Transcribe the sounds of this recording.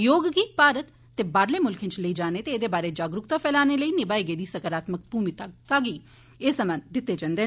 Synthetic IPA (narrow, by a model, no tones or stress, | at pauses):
joːɡɡiːpaːɾət̪ːebaːɾlemʊlkʰɪ̃nt͡ʃləiːd͡ʒaːnet̪eːd̪eːbaːɾed͡ʒaːɡɾʊkt̪afʰɛːlaːneləiːnɪbaːiɡeːd̪iːsɐkəɾaːt̪mək̚buːmit̪aaːɡi | eːsəmãnd̪ɪt̪ːed͡ʒãnd̪eː